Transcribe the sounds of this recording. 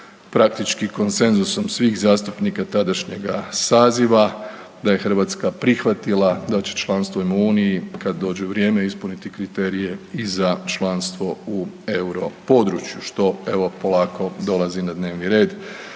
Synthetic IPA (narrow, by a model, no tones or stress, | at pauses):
pɾak̚t̪it͡ʃkiko̞nse̞nzuso̞msʋiːxzaːst̪upnikat̪ad̪aʃɲe̞ɡasaːziʋa | d̪aje̞xr̩ʋaːt̪skapɾixʋat̪ilˠad̪at͡ɕe̞̥t͡ʃlˠaːnst̪ʋoimuːnijikad̪d̪o̞ːd͡ʑeuʋɾje̞ːmeispunit̪ikɾit̪eːɾije̞izat͡ʃlˠaːnst̪ʋo̞u | e̞uɾo̞po̞d̪ɾut͡ʃjuʃt̪o̞e̞ʋo̞po̞laːko̞d̪o̞lazinad̪ne̞ːʋniɾe̞ːd̪